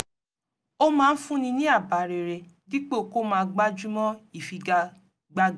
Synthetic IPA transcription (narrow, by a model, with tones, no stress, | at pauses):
o˦mãː˦˧n̩˦fũ˦nĩ˧nĩ˦a˦˨ba˨ɾe˨ɾe˨di˦k͡pe˦˨ko˦mãː˧ɡ͡ba˦d͡ʒu˦mɔ̃˦i˦˨fi˧ | ɡ͡ba˧˨